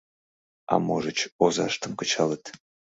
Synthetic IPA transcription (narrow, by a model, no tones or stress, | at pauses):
ɑ̰moʒət͡ɕozɑʃt̪əmkə̆t͡ɕɑlət̪